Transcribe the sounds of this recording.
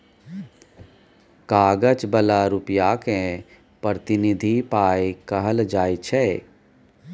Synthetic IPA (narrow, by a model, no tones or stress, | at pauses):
kaːɡət͡ʃbəlaɾupjaːkẽ | pɾət̪ɪnid̪ʱipaːjkəɦəld͡ʒaːit͡ʃʰɛː